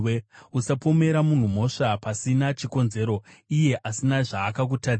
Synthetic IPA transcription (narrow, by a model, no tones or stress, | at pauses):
eusapo̞me̞ɾamun̤um̤o̞ʂapasinat͡ʃiko̞nze̞ɾo̞ije̞ʔasinaʐaːkak̬uta